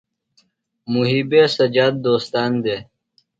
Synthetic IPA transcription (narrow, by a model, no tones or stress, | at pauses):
muɦiːbeːsɐd͡ʑaːd̪̚ːoːst̪aːnd̪eː